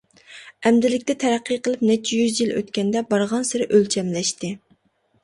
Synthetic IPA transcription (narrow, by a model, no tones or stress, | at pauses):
ɛmd̪ɪlɪkʲt̪ɛt̪ʰɛɾæqːɨjqəlˠɨp̚nɛt͡ʃʰːijyzjilʔø̰t̪kʲɛnd̪ɛbɑɾʁɑnsɪɾɪʔølt͡ʃʰɛmlɛʃt̪ɨ